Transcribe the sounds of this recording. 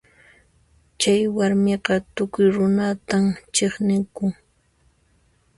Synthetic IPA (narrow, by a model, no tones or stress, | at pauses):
t͡ʃajwaɾmɪqɑt̪ʊkʊjɾʊnat̪amt͡ʃeχnɪkʊŋ